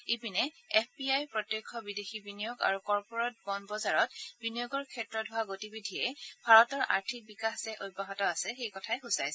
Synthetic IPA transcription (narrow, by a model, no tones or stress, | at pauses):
ipinɛɛpʰpiajpɹɔtjojkʰːɔbidexibinijoɡa̰ɹukɔɹpɔɹɔt̚bɔnbɔzaɹɔt̚binijoɡɔɹkʰɛtɹɔdʱʊaɡotibidʱijɛbʱaɹɔtɔɹʔa̰ɹtʰik̚bikaxsɛʔojbaɦɔtɔasɛxejkɔtʰajxusajsɛ